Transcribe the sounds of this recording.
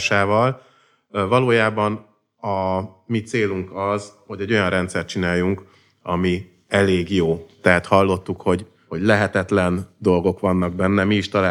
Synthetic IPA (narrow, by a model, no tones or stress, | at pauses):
ʃaːvɒl | vɒloːjaːbɒn | ɒmit̪seːluŋkɒzho̞ɟɛɟo̞jɒnrɛnt̪sɛrt̪̚t͡ʃinaːjːuŋk | ɒ̰mi | ɛleːɡjoːt̪ɛɦat̪hɒlːo̞t̪ːukho̞ɟ | ho̞ɟlɛɦɛt̪ɛt̪lɛnd̪o̞lɡo̞kʋɒnːɒɡ̚bɛnːɛmiːʃt̪ɒlaː